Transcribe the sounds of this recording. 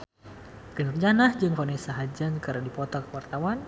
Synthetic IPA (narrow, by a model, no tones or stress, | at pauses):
ɡ̥ənərd͡ʒanahd͡ʒɨŋfɔnesaɦad͡ʒankaɾadipɔt̪ɔkəwart̪awan